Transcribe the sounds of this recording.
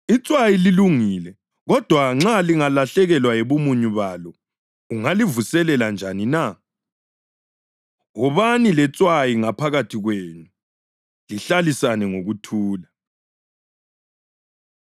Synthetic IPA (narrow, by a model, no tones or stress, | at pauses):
it͡sʼwajililuŋilɛ | ɣɔd̥ʱwaŋ͡ǁaliŋalaɬɛɣɛlwajɛβomuɲuβalɔ | uŋalivusɛlɛland͡ʒʱanina | ɣɔβanilɛt͡sʼwajiŋapʰaɣatʰiɣweɲu | liɬalisanɛŋoɣutʰuːla